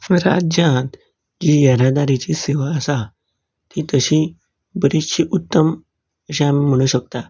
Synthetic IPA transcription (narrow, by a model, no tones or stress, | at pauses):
əɾa̰d͡ʑjãt̪ | d͡ʑijəɾad̪aɾit͡ɕiseʋaəsa | t̪ʰit̪əɕi | bəɾiɕiʔut̪ːəm | əɕãamim̤əɽ̃ũːɕək̚t̪a